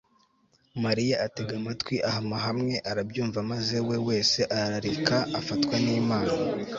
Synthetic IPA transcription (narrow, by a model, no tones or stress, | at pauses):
maɾijaʔate̞ɡamatwiʔahamaɦamŋe̞ʔaɾabjuːɱvamaze̞we̞we̞ːse̞ʔaɾaɾaɾikaːfatkwaniːmaːna